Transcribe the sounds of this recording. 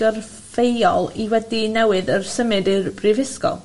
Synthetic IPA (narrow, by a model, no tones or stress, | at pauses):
ər | vejɔlˠiwɛdinɛwɨðərsəmɨdɪbrivɪskɔ̰lˠ